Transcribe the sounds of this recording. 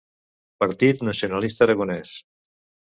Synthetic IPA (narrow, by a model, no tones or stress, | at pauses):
pəɾt̪it̪nəsionalist̪əːɾəɣonɛs